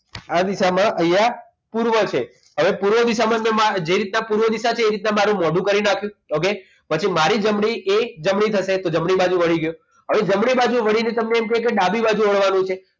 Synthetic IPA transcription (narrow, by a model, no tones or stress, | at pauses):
ad̪isamãʔəja | puɾʋət͡ʃʰe | ɦəʋepuɾʋəd̪isamãmẽmad͡ʒeɾit̪̚nãpuɾʋəd̪isat͡ʃʰeːɾit̪nãmaɾũmɔɖũkəɾinakʰjũoke | pət͡ʃʰimaɾid͡ʒəmɽiʔed͡ʒəmɽit̪ʰəʃet̪od͡ʒəmɽibad͡ʒũʋəɽ̤iɡəjo | ɦəʋed͡ʒəmɽibad͡ʒũʋəɽinet̪əmneːmkəkeɗabibad͡ʒũʋəɭʋanũt͡ʃʰe